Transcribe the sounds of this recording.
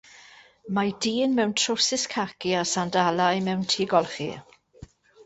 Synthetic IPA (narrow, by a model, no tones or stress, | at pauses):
majdiːnmɛwntʰrʊsɪskʰakiasandalajmɛwntʰiːɡɔlˠχḭ